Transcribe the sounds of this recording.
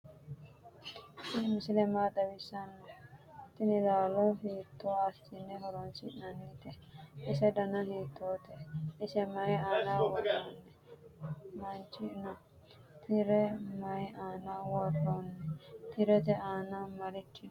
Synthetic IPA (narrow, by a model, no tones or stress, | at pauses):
t̪ɪmɪsɪlɛmaːd̪ɐwɪsɐnːɔt̪ːɪnɪd̪aːlɔɦiːt̪ʰːoːasɪ̥t̪ɪnːɛɦɔɾɔnsɪʔnɐnːɪt̪ɛʔɪsɛd̪ɐnɐhiːt̪ʰːoːt̪ɛʔɪsɛmɐjaːnaːwɔɾoːnːɛ | mɐnt͡ʃɪnɐ | t̪ʰɪɾɛmɐjaːnaːwɔrːonːɛt̪ɪɾɛt̪ɛaːnamɐɾɪt͡ʃːɪ